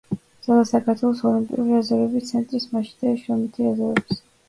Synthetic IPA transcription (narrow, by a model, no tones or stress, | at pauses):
d̪z̥alˠasakʰaɾt̪ʰwɛlˠɔsɔlimpʼḭuɾiazavɛbit̪sʰɛnt̪ʼɾismaʃid̪aʃɾɔmit̪ʰiazaɾɛbs